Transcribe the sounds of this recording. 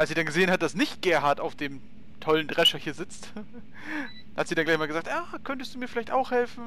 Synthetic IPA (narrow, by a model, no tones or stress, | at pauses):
ʔalsz̥iːdanɡəzeːənhat̚d̥asnɪçt̚ɡ̥ɛːɐɦaɐtaʊfd̥eːm | tʰɔləndʁɛʃɐhiːɐzɪt͡st | hatz̥iːdanɡlaɪçmaːlɡəzaːktʔaːkʰœntəstd̥uːmiːfɪlaɪçtaʊxhɛlfn̩